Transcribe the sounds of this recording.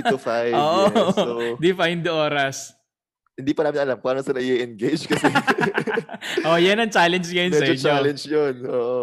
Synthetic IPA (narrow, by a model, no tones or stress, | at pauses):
ʊfajoːʔo | d̪ɪfajnd̪ɪʔoːɾɐs | hɪnd̪iːpɐnaːmɪnɐlamkaːnosɐnɐʔɪʔiʔɛnɡejd͡ʒkɐsɛ | ʔojɐnɐŋt͡ʃaːlɛnd͡ʒŋɐjonmɛsɐʔɪɲolɛnd͡ʒjonʔoːʔo